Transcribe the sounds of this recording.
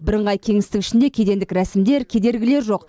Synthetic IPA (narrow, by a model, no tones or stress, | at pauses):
bɪɾəɴʁɑjkʲʰe̞ŋɪst̪ɪkɪ̥ʃɪnd̪e̞kʲʰed̪e̞nd̪ɪkɾæsɪmd̪e̞ɾkʲʰe̞d̪e̞ɾɡʲɪle̞ɾʒo̞q